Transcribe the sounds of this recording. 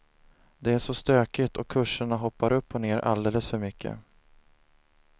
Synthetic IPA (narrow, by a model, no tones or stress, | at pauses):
d̪ɛæʂɔst̪øːkɪt̪ɔkʰːɵʂːəɳaɦɔpːaɾɵpːɔneːɾʔa̰ld̪eːləsfœɾmʏkʰːə̰